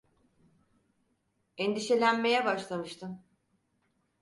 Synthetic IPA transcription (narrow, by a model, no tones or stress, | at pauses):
ɛnd̪iʃe̞lʲænme̞jɛbaʃlˠamɯʃt̪ʰɯm